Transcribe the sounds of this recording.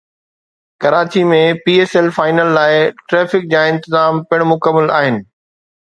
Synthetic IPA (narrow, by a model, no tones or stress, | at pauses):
kɐɾaːt͡ɕimẽpiːeːsɛlfaːɪnəlːaːɪʈɾɛːfɪk̚d͡ʑãːɪ̃nt̪ɪzaːmpɪɽ̃mʊkəmːəla̰ːɦɪnɪ̆